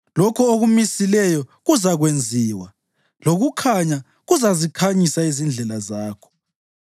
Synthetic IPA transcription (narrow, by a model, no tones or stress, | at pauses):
lɔkʰɔoɣumisilɛjɔɣuzaɣwend͡zʱiːwa | loɣukʰaɲa | ɣuzazikʰaɲisaizind͡ɮʱɛlazaːkʰɔ̥